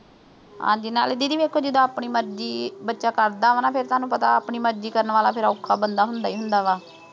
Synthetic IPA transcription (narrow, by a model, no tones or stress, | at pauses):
ã̰ːd͡ʒɪna̰ːlɪd̪iːd̪iːʋeːkʰːoːd͡ʒɪd̪aːaːpɳiːməɾd͡ʒiːbətːʃaːkəɾd̪aːʋanaːpʰɪɾt̪ʊaːnũːpət̪a̰ːpɳiːməɾd͡ʒiːkəɾənʋaːlaːpʰɪɾaʊkʰːaːbənd̪aːɦʊnd̪aːiːɦʊnd̪aːʋaː